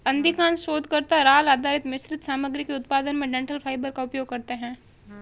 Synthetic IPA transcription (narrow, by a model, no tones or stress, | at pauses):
ɐ̃nd̪ikãːnʃoːd̪ʱkəɾt̪aɾaːlaːd̪ʱaːɾɪt̪mɪsɾɪt̪saːməɡɾikeʊt̪paːd̪ənmẽɖɛ̃ɳʈəlpʰaːɪbəɾkaʊpjoːɡ̚kɐɾt̪eɦɛ̃ː